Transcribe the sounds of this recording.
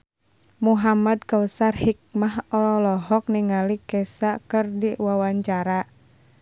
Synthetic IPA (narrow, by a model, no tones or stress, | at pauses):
muɦamad̚kawəsarhik̚mahɔlɔɦɔk̚niŋalikɛsakɨrdiwawaɲt͡ʃaɾa